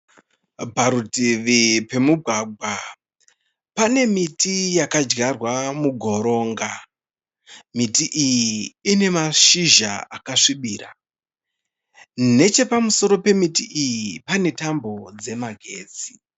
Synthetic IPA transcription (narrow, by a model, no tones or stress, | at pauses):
paɾutiʋipe̞muɡʱwaɡʱwa | pane̞mitijakad͡ʒɡarwamuɡʱo̞ɾo̞ːŋɡa | mitiʔijiːne̞maʃiʒaakaʂiɓiːra | ne̞t͡ʃe̞pamuso̞ɾo̞pe̞mitiʔijipane̞tambo̞d͡ze̞maɡʱe̞ːd͡zi̥